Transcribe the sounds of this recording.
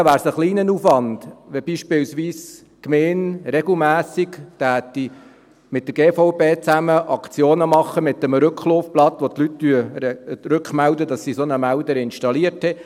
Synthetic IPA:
ʋæːɾsəχliːnənuːfʋɑnd̪̥ʋɛbiːʃpɪlsʋiːs | kmeːnɾɛɡl̩mæːsikt̪æːt̪ːi | mɪt̚d̪əɾɡeːfɔʊpeːt͡sæməʔɑkʰt͡sjoːnəmɑχːəmɪt̪ːəmɾɵkχloːfplɑt̪ʋɔt̪lyttyəɾʉkχmæld̪əd̪ɑsːisonəmældəɾɪnʃtɑliəɾthɛ

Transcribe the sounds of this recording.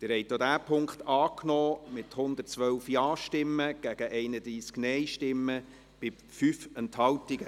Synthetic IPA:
t̪ɪɾhɛɪtod̪æːpʰʊŋkχt̪ɑːknɔːmɪt̪hʊnd̪ət͡sʋœwfjɑːʃtɪmːəɡ̥æɡ̥əʔɛɪnəd̪ɾiːsknɛjʃtɪmːə | b̥ɪ | fyfɛnthɑwtiɡə

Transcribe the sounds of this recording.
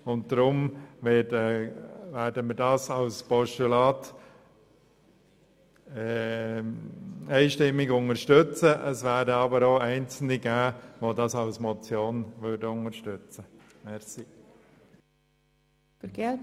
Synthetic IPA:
ʊnt̚d̥ɾʊmvɛd | væːɾdəməɾdɑːsɑʊspɔʃtulɑːt | ɛɪʃtɪmːɪɡʊŋəɾʃtøt͡səʔəsvæːɾdəɑbəɾoːɛɪnt͡sl̩niɡæːʋodɑsɑʊsmɔt͡sjoːnʋøɾdəʊŋəɾʃtʏt͡sə | mɛsi | fəɾɡ̥ɛl

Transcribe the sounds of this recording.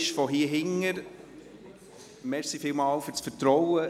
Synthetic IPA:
ʃfɔɦiəɦɪŋəɾ | mɛɾsifɪlmɑːlfʏɾt͡sfəɾtɾɔwə

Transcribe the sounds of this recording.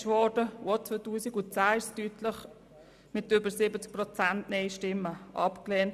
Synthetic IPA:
ʃʋɔːdəot͡sʋoːtuːsikʊt͡saːɪstytʰləχ | mɪtʏbəɾsɪbət͡sk̚prɔt͡sæntneɪʃtɪmːəʔɑpkleːnt

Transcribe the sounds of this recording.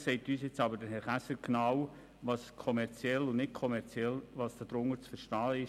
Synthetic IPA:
sɛɪtyːsjet͡sɑbəd̥əɦɛɾχæsəɾɡ̥naw | ʋɑːskʰɔmɛɾt͡sjɛlːʊnnɪt̚kʰɔmɛɾt͡siɛlʋɑsd̥ɑd̥̪ɾʊŋət͡sfəɾʃtɑːɪ

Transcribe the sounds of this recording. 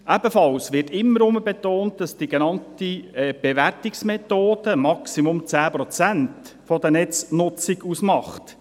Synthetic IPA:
ʔæbəfɑlsʋɪrtɪmːəɾʊməbɛtoːnt̚d̥ɑsd̥iɡɛnɑntiɛb̥eʋærtiksmɛt̪oːd̥əmɑksimʊmt͡sæːpɾɔt͡sæntfɔd̪ənɛt͡snʊt͡siɡusmɑχt

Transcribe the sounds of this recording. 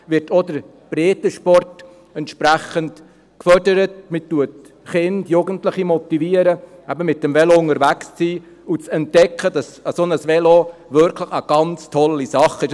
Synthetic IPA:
ʋɪrtʰodəɾ | b̥ɾeːtəʃpɔrt | ɛntʃpɾæχənt | kfœrdəɾətmitːuət | χɪnd̥juːɡəntlɪχimɔtiviəɾə | æbəmɪt̚dɛmvɛloʊŋəɾvækst͡siː | ut͡sɛntːɛkʰχəd̥ɑsəsonəsʋɛloʋʏɾkʰləχəɡ̥ɑnt͡stʰɔlːisɑχɪʃ

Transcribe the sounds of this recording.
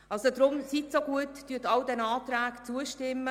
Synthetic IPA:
ʔɑlsod̪ɾʊmsitsoɡuətd̥yətɑldɛnaːt̪ɾæːkt͡suəʃtɪmːə

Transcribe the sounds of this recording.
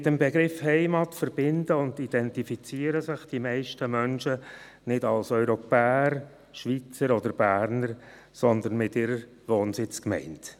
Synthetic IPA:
mɪtəmbeɡɾɪfhɛɪmɑtfəɾb̥ɪndəʊnd̪id̥ɛntifit͡siəɾəsɪχd̥imɛɪʃtəmœnʃə | nɪdɑlsœʏɾopɛːəɾ | ʃʋit͡səɾɔdəɾb̥æːɾnəɾ | sɔnd̪ənmɪtɪɾəɾ | ʋoːnsɪt͡skmɛ̰ɪnt

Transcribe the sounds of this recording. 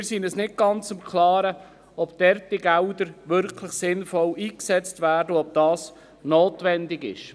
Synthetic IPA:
ɪɾsinəsnɪt̚ɡ̥ɑnt͡sʊmkʰlɑːɾə | ɔpd̥ɛrtiɡældəɾʋʏɾkʰləχsɪnfɔliːksɛt͡stvæːrdəɔb̚d̥ɑːs | noːtʋɛndɪɡɪ̰ʃ

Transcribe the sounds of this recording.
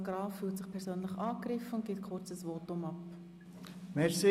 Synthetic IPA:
ɡɾɑːfːyːltsɪχpʰɛɾsøːnləχɑːkɾɪfəʊnt̚ɡ̥ɪtkʰʊɾt͡səsvoːtʊmɑp | mɛɾsi

